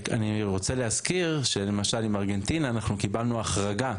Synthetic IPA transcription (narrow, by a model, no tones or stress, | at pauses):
a̰niʁo̞t͡seleɦazkiʁʃe̞le̞maʃalimaʁɡe̞ntinaːnaχnukibalnuaχʁaɡa